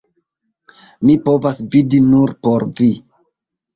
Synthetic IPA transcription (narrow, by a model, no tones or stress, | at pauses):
mipo̞vasvidinuɾpoɾvi